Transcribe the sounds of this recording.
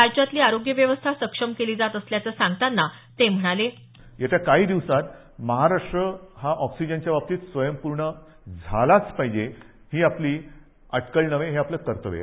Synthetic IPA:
aɾt͡ɕat̪liːaɾoɡjəʋjəʋəst̪ʰasəkʂəmkeliːd͡zat̪əsljat͡səːsãŋɡ̚t̪anːa | t̪em̤əɽ̃ale | jat͡ɕjakaɦiːd̪iʋsat̪ | məɦaɾaʂʈɾəhaʔɔksid͡ʑənt͡ɕjabap̚t̪iːt̪sʋəjəmpuɾɳə | d͡zʱalat͡spaɦid͡ʑe | hiːapliː | aʈʰkəɭnəʋeɦeapləkəɾt̪əʋḛ

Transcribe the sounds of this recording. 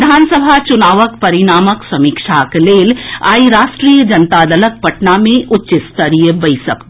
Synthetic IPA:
d̪ʱaːnsəbʱat͡ʃʊnaːʋəkpɐɾɪnaːməksɐmikʃakleːla̰ːiɾaːʃʈɾijəd͡ʒɐnt̪ad̪ələk̚pɐʈnamẽʔʊtːt͡ʃɪst̪əɾijəbəjsək̪

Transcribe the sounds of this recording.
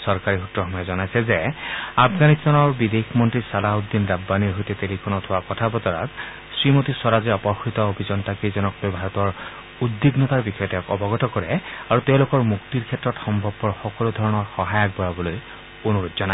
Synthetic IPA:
sɔɹkaɹixutːɹɔxɔmɔjɛzɔnajsɛzɛapʰɡanist̪anɔɹbid̪exmɔntɹisalaud̪ːinɹabːaniɹɦojtɛtelikʰɔnɔtʰʊwakɔtʰabɔtɔɹa̰t | sɹimotiswɔɹazɛɔpɔxitɔobʱizɔntakizɔnɔklojbʱaɹɔtɔɹ | udːiɡnɔtaɹbixɔjɔtɛ̃kɔbɔɡɔtɔkɔɹɛaɹutɛʊ̃loʊkɔɹmuktiɹkʰɛtːɹɔtxɔmbʱɔbːɔɹxɔkɔlud̪ʱɔɹɔnɔɹxɔɦajak̚bɔjabɔloj | onuɹutzɔna

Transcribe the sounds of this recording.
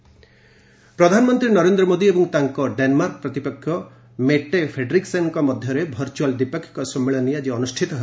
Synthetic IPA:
pɾɔd̪ʱanɔmɔnt̪ɾinɔɾend̪ɾɔmod̪iebɔŋt̪aŋkɔɖenmaɾkpɾɔt̪ipɔkʰːjɔ | meʈepʰɾeɖɾiksenŋkɔmɔd̪ʱjɔɾebʱɔɾt͡ʃuald̪ipɔkʰːji̥kɔsɔmːeɭɔnijad͡ʒeɔnusʈʰit̪ɔɦe

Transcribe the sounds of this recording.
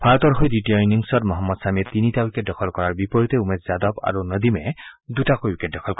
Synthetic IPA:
pʰaɹɔt̪ɔɹɦojditiɔjniŋsɔtmɔɦɔmːɔd̪samɛt̪initawiket̚dɔkʰɔlkɔɹaɹbipɔɹitɛumezzad̪ɔba̰ɹunəd̪imɛdutakojwiket̚dɔkʰɔlkɔ

